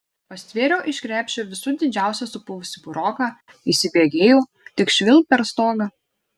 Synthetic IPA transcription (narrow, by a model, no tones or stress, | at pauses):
pɐsʲt̪ʲʋʲeːɾʲɛːʔɪʃʲkɾʲæːpʲʃʲeʋʲɪsʊd̪ʲɪd͡ʒʲæˑʊsʲɛsʊpʊʋʊsʲɪbʊɾɔːkɑ | isʲɪbʲeːɡʲeːjoː | t̪ʲɪkʃʲʋʲɪlˠpʲɛɾst̪oːɡɐ